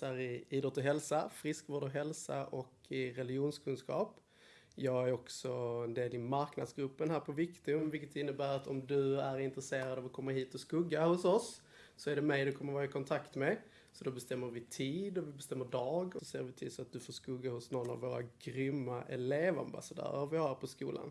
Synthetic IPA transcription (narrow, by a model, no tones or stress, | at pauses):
æːɾɪiːd̪ɾɔt̪ːəɦɛlsafɾɪskvoːɖɔɦɛlsaʔɔkʰɪɾɛlɪjuːnskʰɵnskɑ̰ːp | jɑːɡæɾɔksɔɛnd̪eːlɪmaɾknad̪sɡɾɵpːənɦæːɾpʰɔvɪkt̪ɵmvɪlkət̪ɪnːəbæːɾat̪ʰɔmd̪ɵæɾɪnt̪ɾɛseːɾad̪ɑvɔkʰɔmːəɦiːt̪ɔskɵɡːahʊsɔsː | ɔæɖɛmɛjd̪ɛkʰɔmːəɾvɑːɾɪkʰɔnt̪ʰakt̪mɛ | sɔd̪ɔbɛst̪ɛmːəɾvɪt̪ʰiːd̪ɔvɪbɛst̪ɛmːəɖɑːɡɔsɔseːɾvɪt̪ʰiːd̪sɔat̪̚d̪ɵfoːʂkɵɡːahʊsnɔnːa̰vːoːɾa̰ɡɾʏmːaʔɛleːva̰mba̰sad̪œ̰ːɾaɾvɪhɑɾpʰɔskṵːlʔa̰n